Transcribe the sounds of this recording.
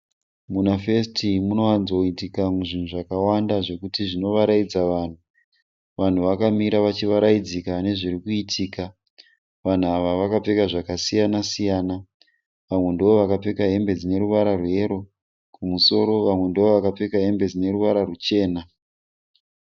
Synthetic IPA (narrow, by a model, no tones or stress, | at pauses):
munafestimuno̞anzo̞itikauʐin̤uʐakawandaʐe̞kutiʐino̞ʋaɾaid͡zaʋaːn̤u | ʋan̤uʋakamiɾaʋat͡ʃiʋaɾaid͡zikane̞ʐirikuitʰiːka | ʋan̤uaʋaʋakap͡fe̞kaʐakasijanasijaːna | ʋamwe̞ndoʋo̞ʋakape̞kaɦe̞mbe̞d͡zine̞ɾuʋaɾarwe̞ɾo̞ | kumuso̞ɾo̞ʋamwe̞ndoʋo̞ʋakap͡fe̞kaɦe̞mbe̞d͡zine̞ɾuʋaɾarut͡ʃe̞ːna